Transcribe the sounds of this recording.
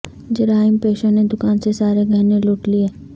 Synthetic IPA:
d͡ʒɐɾaːɪmpeːʃəned̪ʊkaːnsesaːɾeɡʱɐɦneloːʈliɛː

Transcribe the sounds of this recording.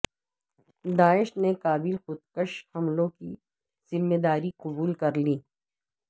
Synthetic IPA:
d̪aːɪʃnekaːbilxʊd̪̚kəʃhɐmlõki | z̥ɪmːeːd̪aːɾiqʊbuːlkɐɾliː

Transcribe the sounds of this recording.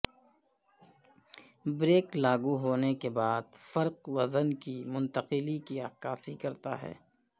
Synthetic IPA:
bɾeːklaːɡuɦoːnekebaːd̪fɐɾqwɐzənkimʊ̃nt̪əqɪlikiɐkaːsikɐɾt̪a̰ɦɛ̰ː

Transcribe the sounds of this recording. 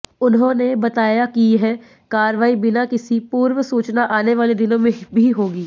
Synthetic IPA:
ʊnɦõnebɐt̪aːjakiɦɛ | kaːɾʋaːibɪnakɪsipuːɾʋəsuːt͡ʃnaʔaːneʋaːled̪ɪnõmẽbʱiɦoːɡiː

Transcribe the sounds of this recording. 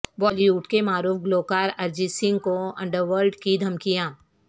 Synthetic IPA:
bɔːlijuːʈkemaːɾuːfɡloːkaːɾɐɾd͡ʒisɪ̃ŋɡ̚koɐ̰̃ɳɖəɾʋəɾɖkid̪ʱɐmkijaː

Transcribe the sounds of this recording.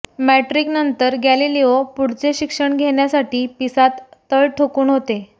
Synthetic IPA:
mæʈɾiknənt̪əɾɡæliliopuɽ̤t͡seɕikʂəɳɡʱeɳjasaʈiːpisat̪ːəɭʈʰokuːnɦot̪e

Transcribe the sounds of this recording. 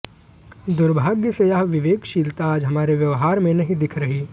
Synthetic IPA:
d̪ʊɾbʱaːɡjəsejaɦʋɪʋeːkʃiːlt̪aːd͡ʒɦɐmaːɾeʋjɐʋɦaːɾmẽnɐɦĩd̪ɪkʰɾɐɦiː

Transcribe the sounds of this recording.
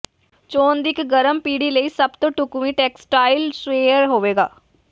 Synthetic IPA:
t͡ʃoːnd̪ɪkɡəɾəmpiːɽiːləiːsəbt̪õːʈʊkuʋĩːʈɛːksʈaːilsʋeːɾɦoːʋeːɡaː

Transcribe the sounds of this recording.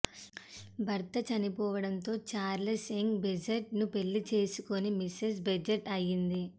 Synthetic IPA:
bʱɐɾt̪ɐt͡ʃɐnipɔːʋɐɽɐnt̪o̞ːt͡ʃaːɾlesiŋɡbed͡ʒeʈnupe̞ɭːit͡ʃe̞ːsukonimises̬bɐd͡ʒeʈɐjːind̪i

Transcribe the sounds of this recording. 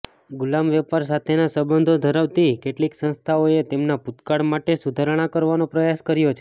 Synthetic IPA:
ɡʊlamʋɛpaɾs̬at̪ʰenasəbənd̪ʱod̪ʱəɾəʋt̪ikeʈliksə̃nst̪ʰaoet̪emnaput̪kaɽmaʈesud̪ʱaɾɽ̃akəɾʋanopɾəjaskəɾjot͡ʃʰe

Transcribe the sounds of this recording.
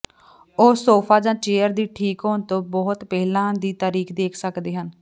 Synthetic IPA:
oːsoːpʰaːd͡ʒãːt͡ʃeːəɾd̪iːʈʰiːkɦoːnt̪õːbɔːt̪pɛːlãːd̪iːt̪aːɾiːkd̪eːkʰsəkd̪eːɦən

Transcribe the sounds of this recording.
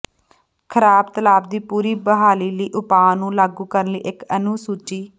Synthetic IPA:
kʰəɾaːbt̪əlaːbd̪iːpuːɾiːbəɦaːliːləiːʔʊpaːnũːlaːɡuːkəɾnlḭːʔɪkənuːsuːt͡ʃiː

